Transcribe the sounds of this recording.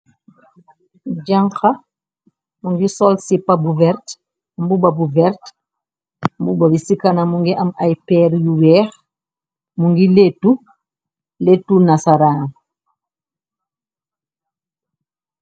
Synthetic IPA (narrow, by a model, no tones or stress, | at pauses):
d͡ʒaŋxa | muŋɡisɔlsipabuvɛɾt | mbubabuvɛɾt | mbubabisikanamuŋɡiʔɐmajpɛːɾjuwɛːx | muŋɡiletːu | letːunasaɾaːn